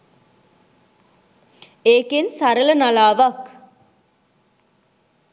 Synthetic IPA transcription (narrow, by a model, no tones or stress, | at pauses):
eːkensaɾələnalaːʋak